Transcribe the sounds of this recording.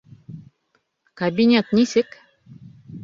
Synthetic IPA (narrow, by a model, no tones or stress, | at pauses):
kɐbʲinʲet̪nʲisɘk